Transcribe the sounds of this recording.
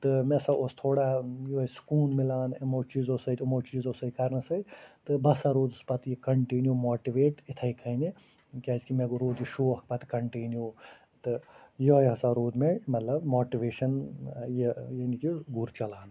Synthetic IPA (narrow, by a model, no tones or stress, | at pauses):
t̪ɨmesɐost̪ʰoːɽajojskuːnmɪlaːnemoːt͡ʃiːzosɐjt̪imoːt͡ʃiːzosɐjkɐɾnɐsɐit̪ɨbɐsaɾuːd̪uspɐt̪ʰjikɐɳʈiːnjomoːʈiʋeːʈit̪ʰɐjkʰɐine | kʲɐzkimeɡuɾoːd̪iʃoːhkpɐt̪kɐɳʈiːnjoː | t̪ɨjojɦɐsaɾuːd̪memɐt̪lɐbmoːʈiʋeːʃɐnjejɐnikiɡuɾt͡ʃɐlaːn